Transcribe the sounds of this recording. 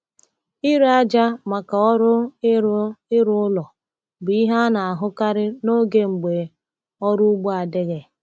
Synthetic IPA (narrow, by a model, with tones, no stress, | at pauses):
ɪ˦ɾa˦d͡ʒa˦ma˨ka˨ɔ˦ɾʊ˦ | ɪ˦ɾʊ˦ʊ˦lɔ˨ | bʊ˨i˦ɦa˦na˨a˨ɦʊ˦ka˦ɾɪ˦no˦ɡe˦ŋ͡m̩˨ɡ͡be˨ | ɔ˦ɾu˦ɡ͡bo˦a˨dɪ˦ɣe˨